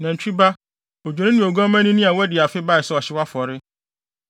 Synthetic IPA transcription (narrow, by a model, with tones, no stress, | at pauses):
nã˨ɲ̩˨t͡ɕᶣi˦ba˦ | o˨d͡ʑᶣo˨ɾɪ̃˦nɪ̃˨o˨ɡɔ̃˦mã˦nĩ˦nĩ˦a˨wɛ˦dɪ˨a˨fɪ˦ba˦˨ɪ˨sɛ˦ɔ˨ɕɪ˦wa˦fɔ˨ɾɪ˦